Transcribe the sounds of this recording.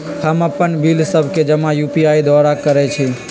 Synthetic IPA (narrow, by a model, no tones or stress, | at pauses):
həməpːənbilsəbʱked͡ʒəmãjupiaid̪ɔɾakəɾɛt͡ʃʰi